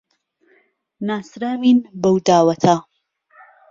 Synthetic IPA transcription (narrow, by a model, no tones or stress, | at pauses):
naːsɾaːminbɐwd̪aːwɐt̪ʰa